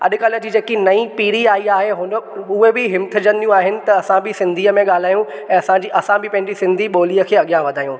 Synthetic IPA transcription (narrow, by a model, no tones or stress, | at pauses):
ɐ̰ɗʊ̆kɐlə̆d͡ʑiːd͡ʑeːkinɐipiːɾiaːiaːɦeɦʊnəʊɦebɪɦɪmt̪ʰɪ̆d͡ʑə̃nd̪ijũaːɦɪnɪ̆t̪ɐɐsãbɪsɪ̃nd̪ʱiːəmẽɠaːl̤aːjũɛ̃ːɐsãd͡ʑiʔɐsãbɪpɐ̃ɦɪɲd͡ʑisɪ̃nd̪ʱiɓoːliːəkʰeːɐɠijãʋɐd̪ʱaːjũː